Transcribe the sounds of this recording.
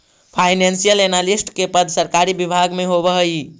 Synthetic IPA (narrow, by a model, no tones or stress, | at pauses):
pʰajnensijəlenalisʈkepəd̪ʱsəɾkaɾibibʱaɡmeɦoβəɦəj